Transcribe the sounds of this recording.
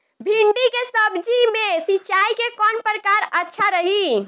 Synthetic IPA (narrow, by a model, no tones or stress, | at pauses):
bʱiɳɖikesəbd͡ʒimesit͡ʃaikekɔnpɾəkaɾətːʃʰaɾəɦi